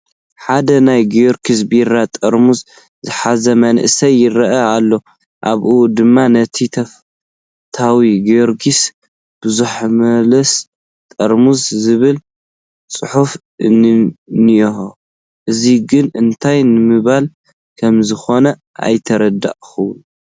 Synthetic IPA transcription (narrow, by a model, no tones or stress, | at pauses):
ħad̪ɐnajɡijoɾkʰisbiɾat̪ʼɐɾmuz | zɨħazɐmɐnʔsɐjːɪɾɐʔɐalːo̞ | ʔaβʔud̪ɨmːanɐt̪ʰit̪ʰɐf | t̪ʰawiɡoɾkʰis | b̥ɨzuħmɐlɐs | t̪ʼɐɾmuzzɨβɨl | t͡sʼɨħuf | ɨnnioo | ʔɨziɡɨnɨnt̪ʰajnɨmɨβal | kʰɐmzɨxo̞nɐ | ʔa̰jt̪ʰɐɾɐd̪a̰ʔxɨw